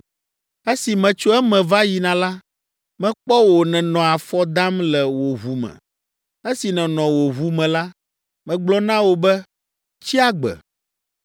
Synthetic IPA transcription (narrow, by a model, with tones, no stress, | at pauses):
e˦si˨mɛ̃˨t͡ʃo˦ɛ˦mɛ̃˨va˦ji˨nã˨la˦ | mɛ̃˦k͡pɔ˦wo˨nɛ̃˨nɔ̃˨a˨fɔ˦d̪a˦mlɛ˨wo˨ɦu˨mɛ̰̃˨ | e˦si˨nɛ̃˨nɔ̃˨wo˨ɦu˦mɛ̃˨la˦ | mɛ̃˨ɡ͡blɔ˦nã˦wo˨bɛ˦ | t͡ɕi˦a˦ɡ͡bɛ̰˨